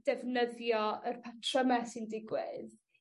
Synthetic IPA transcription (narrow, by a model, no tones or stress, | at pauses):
d̥ɛvnəðjɔərpʰatʰrɔmɛsindɪɡwɪð